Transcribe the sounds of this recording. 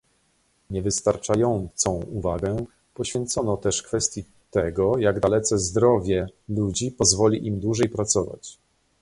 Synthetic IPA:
ɲɛvɘst̪aɾt͡ʂajɔnt̪sɔ̃w̃uvaɡɛ | pɔɕfʲjɛnt̪sɔnɔt̪ɛʂkfɛst̪ʲji | t̪ɛɡɔjaɡd̪alɛt̪sɛzd̪ɾɔvʲjɛlud͡ʑipɔzvɔlʲiʔimd̪wuʐɛjpɾat̪sɔva̰t͡ɕ

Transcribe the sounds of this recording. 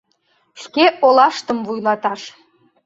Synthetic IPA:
ʃkeʔolɑʃt̪əmvujlˠɑt̪ɑʃ

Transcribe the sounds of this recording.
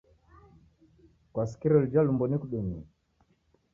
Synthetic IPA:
kwasi̥kiɾɔld͡ʒalumbɔnikuɗɛni

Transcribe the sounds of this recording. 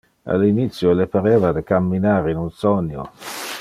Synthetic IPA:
a̰lːinit̪sːjolepaɾeːvad̪ekamːinaːɾeinunsonːjo̰

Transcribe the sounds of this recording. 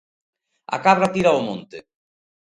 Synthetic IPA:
a̰kaβɾat̪iɾaomõnt̪e

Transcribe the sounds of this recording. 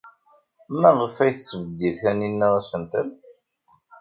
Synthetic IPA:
mæʁəfæjθət͡sːvəd̪ːiðçæninːæɾˤæsənt̪əl

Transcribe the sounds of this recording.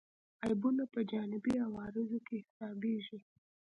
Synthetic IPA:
ɑjbunapəd͡ʒɑnɪbiawɑɾɪzokehɪ̥sɑbeʒi

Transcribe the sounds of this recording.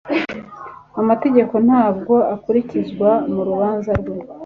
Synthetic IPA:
amate̞ɟe̞ko̞n̥haːb̚ɡo̞akuɾicizɡwamuɾuβaːnzaɾɡwe

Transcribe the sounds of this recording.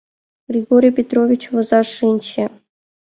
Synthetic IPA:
ɡ̥rʲiɡoɾʲijpʲet̪rovʲit͡ɕvɤ̆zɑʂɨnʲɕɘ̆

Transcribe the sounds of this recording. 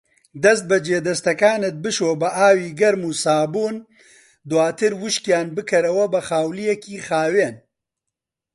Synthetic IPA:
d̪ɐst̪̚bɐd͡ʒeːd̪ɐst̪ɐkaːnɨt̪̚bɨʃoːbɐʔaːwiːɡɐɾmuːsaːbuːn | d̪waːt̪ʰɨɾwʊʃkjaːnbɨkʰɐɾɐwɐbɐxaːwlijɛkiːxaːweːn

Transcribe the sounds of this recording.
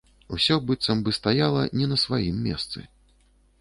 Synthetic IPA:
usʲɔbɨt̪sɐmbɨst̪ajalˠɐnʲɛnɐsvajimːʲɛ̰st̪sɨ̰

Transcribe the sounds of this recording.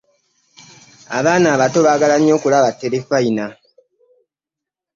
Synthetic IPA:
a̰βaːnaːβato̞βaːɡalaɲːo̞ːkulaβatːe̞lefaina

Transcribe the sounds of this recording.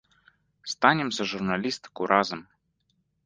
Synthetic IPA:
st̪anʲemsʲəʐurnalʲist̪kuɾʔazəm

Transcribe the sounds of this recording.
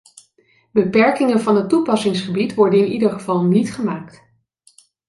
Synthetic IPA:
bəpɛɹkɪŋənvɑnətːupɑsɪŋsχəbitʋɔɹdənɪnidəɹχəvɑlˠnitχəmaːkt

